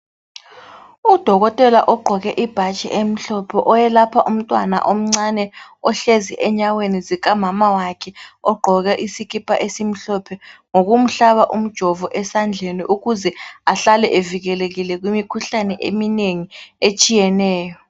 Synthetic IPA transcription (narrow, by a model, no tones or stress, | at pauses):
ud̥ʱɔɣɔtʼɛla̰ʔɔɡ͡ǃʱɔɣɛʔib̥ʱat͡ʃʼɛ̰ʔem̩ɬɔpʰɔʔɔjɛlapʰaʔum̩tʼwana̰ʔom̩ŋ͡ǀanɛɔɬeziʔɛɲawenizik̬ʼamamawakʰɛɔɡ͡ǃʱɔɣɛʔisiɣipʼʰaʔesim̩ɬɔpʰɛŋoɣum̩ɬaβaʔum̩d̥ʒ̥ʱɔvɔʔɛsand͡ɮʱeniʔuɣuzɛaɬalɛʔeviɣɛleɣilɛɣwimikʰuɬanɛʔemineŋiet͡ʃʼijɛnɛːjɔ